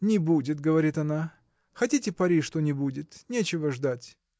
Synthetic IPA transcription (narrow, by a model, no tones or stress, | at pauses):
nʲɪbudʲɪt̪ɡəvɐɾʲit̪ɐna | xɐtʲitʲɪpɐɾʲiʂt̪onʲɪbudʲɪt̪nʲet͡ɕɪvəʐd̪atʲ